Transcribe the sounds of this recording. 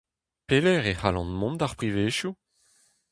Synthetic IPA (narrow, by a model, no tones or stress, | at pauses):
pelɛʁehalɑ̰̃nmɔ̃nd̪aʁpʁiveːʃju